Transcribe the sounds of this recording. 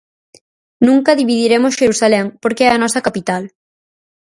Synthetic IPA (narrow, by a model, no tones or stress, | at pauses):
nũŋkɐðiβiðiɾemʊsʃeɾusalɛŋpoɾkeɛɐnɔsɐkapit̪al